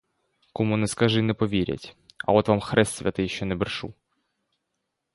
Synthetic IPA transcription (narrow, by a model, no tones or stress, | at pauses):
kɔmunɛskɐʒɪnɛpɔʋʲiɾʲɐ̰tʲɐ̰ɔt̪ʋamxɾɛst̪sʲʋʲɐt̪ɪjʃɔnɛbɪrʃu